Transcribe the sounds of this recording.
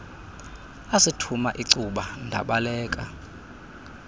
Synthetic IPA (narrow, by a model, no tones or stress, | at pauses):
asitʰumaʔiǀuɓandʱa̰ɓalɛːkʼa